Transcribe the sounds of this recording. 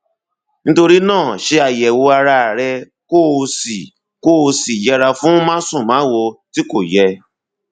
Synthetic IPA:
nĩ˦to˧ɾi˦nãː˦˨ʃe˧a˨jɛ˨wo˧a˧ɾa˧˨ɾɛ˧ | ko˦˨˧si˨ | ko˦˧si˨jɛ˧ɾa˧fũ˦mã˦sũ˦˨mãː˨˦wo˧ti˦ko˦˨jɛ˧

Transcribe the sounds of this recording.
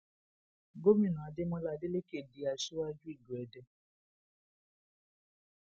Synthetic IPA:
ɡo˦mĩ˦˨nã˨a˨de˦mɔ̃˧la˧˨de˦le˦ke˨di˨˦a˨ʃu˦a˦d͡ʒu˦i˦˨ɡu˨ɛ˨dɛ˧

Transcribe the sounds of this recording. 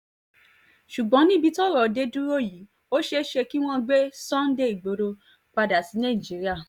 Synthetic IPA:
ʃu˨ɡ͡bɔ̃˨˦nĩ˦bi˧˦tɔ˦˨ɾɔ˨de˨˦dũ˦ɾo˦˨ji˨˦ | o˦ʃe˦ʃe˧ki˦w̃ɔ̃˦ɡ͡be˦sɔ̃˦n̩˦de˦˨i˨ɡ͡bo˨˦ɾo˧ | k͡pa˧da˨ti˨˦nã˦˨i˨d͡ʒi˨˦ɾi˦a˦˨

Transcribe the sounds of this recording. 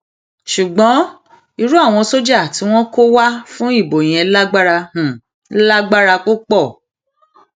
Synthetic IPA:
ʃu˨ɡ͡bɔ̃˨˦ | i˧ɾu˦a˦˨w̃ɔ̃˧so˦d͡ʒa˦˨ti˨˦w̃ɔ̃˦ko˦wa˦fũ˦i˦˨bo˨j̃ɛ̃˨˦la˦ɡ͡ba˦ɾa˧hũ˨˦ | la˦ɡ͡ba˦ɾa˧ko˦k͡pɔ˦˨

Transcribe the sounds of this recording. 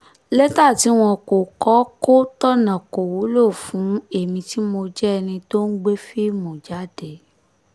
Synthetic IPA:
lɛ˦ta˦˨ti˨˦w̃ɔ̃˧ko˨kɔ˨˦ko˦tɔ˦nã˨ko˨wo˨˦lo˦˨fũ˨˦e˦˨mĩ˧ti˦mo˧d͡ʒɛ˦˧nĩ˧to˦n̩˦ɡ͡be˦fi˦mõ˨d͡ʒa˦˨dɛ˨

